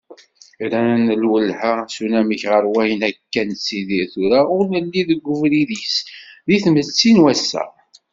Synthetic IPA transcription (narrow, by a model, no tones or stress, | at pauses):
ɾænəlwəlːhasunæməçʁəɾwæjənækːænsiðiɾθuɾaʊɾnəlːiðəɡʷːʊfɾiðisðiθmət͡sːinwæsːæ̰